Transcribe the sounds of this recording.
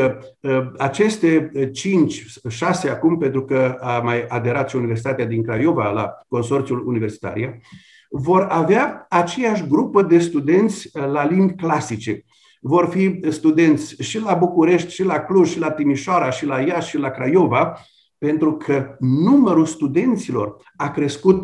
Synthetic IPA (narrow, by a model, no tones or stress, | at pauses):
ə | at͡ʃe̞st̪e̞t͡ʃint͡ʃʲ | ʃaseakumpe̞nt̪ɾukəamajad̪e̞ɾat̪ʃiunives̬it̪at̪ead̪iŋkɾajo̞vala̰ko̞nso̞rt̪siulunive̞rsi̥t̪a̰ɾḭa | vo̞raveaat͡ʃe̞jaʃ̬ʲɡɾupəd̪e̞st̪ud̪e̞nt̪sʲlalind̪ʲklasit͡ʃe̞ | vo̞rfist̪ud̪e̞nt̪sʲʃilabukuɾe̞ʃt̪ʲʃilakluʒʃilat̪imiʃoaɾaʃilajaʃʃilakɾajo̞va | pe̞nt̪ɾukʰənuməɾulst̪ud̪e̞nt̪silo̞r | akɾe̞skut̪